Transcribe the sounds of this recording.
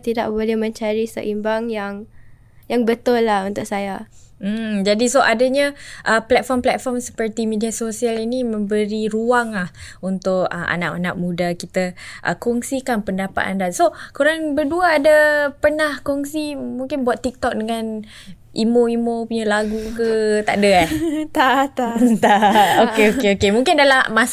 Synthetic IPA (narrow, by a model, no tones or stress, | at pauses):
t̪ida̰ʔ̚bolɛhmə̃ɲt͡ʃaɾisə̰ʔimbaŋjaŋ | jaŋbət̪ʊlːahunt̪ʊʔ̚sajam̩d͡ʒadisoʔadaɲãʔəplɛt̪̚fɔmplɛt̪̚fɔmsə̥pərt̪imidiasosialinimə̃mbəɾiɾuaŋlahunt̪ʊk̚əʔa̰naʔanaʔk̚mudakit̪əʔə̰kɔŋsikanpəndapa̰t̪a̰ndasokuɾaŋbərduəːdəpərnahkɔŋsimuŋkɪnbuat̪ːik̚t̪ɔk̚dəŋan | ʔimoimopuɲəlaɡukət̪aʔdəah̪ | t̪aokeokeokemũŋkɪndalama